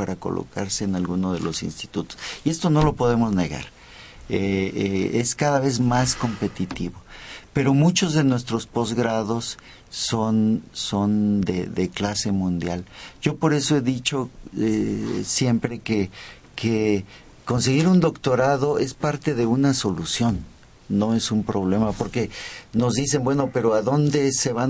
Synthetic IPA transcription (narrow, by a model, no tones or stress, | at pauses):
paɾako̞̰lʔo̰kaɾse̞ːnalɣunoð̞e̞̰lo̞sḭnst̪i̥t̪ut̪o̥sie̞st̪o̞no̞lo̞po̞ðe̞mo̞zne̞ɣa̰ɾ | e | eskaðaβe̞zmasko̞mpe̞t̪it̪iβo̞pe̞ɾo̞mut͡ʃo̞zðe̞nwe̞st̪ɾo̞spo̞zɣɾaðo̞sː | o̞nso̞nd̪eðeklase̞mũnd̪jalʝo̞po̞ɾe̞so̞e̞ðit͡ʃo̞esje̞mpɾe̞ke | ke | ko̞ns̬e̞ɣiɾund̪o̞kt̪o̞ɾaðo̞e̞spaɾt̪e̞ðe̞unaso̞lusjo̞nː | o̞e̞sumpɾo̞β̞le̞mapo̞ɾke̞no̞zðise̞mbwe̞no̞pe̞ɾoaðo̞nd̪e̞se̞βa